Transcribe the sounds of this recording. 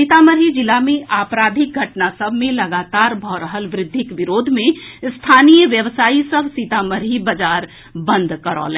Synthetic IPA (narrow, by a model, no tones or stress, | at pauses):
sit̪aməɾɦid͡ʒɪlamẽʔaːpɾaːd̪ʱɪk̚ɡʱɐʈnasəbʱmẽləɡaːt̪aːɾbʱɔɾəɦəlʋɾɪd̪ʱːɪkʋɪɾoːd̪ʱmẽst̪ʰaːnijəʋjəʋsaːisəbʱsit̪aməɾɦibəd͡ʒaːɾ | bə̃nd̪ʱkəɾɔ̰ːlɛ̃ː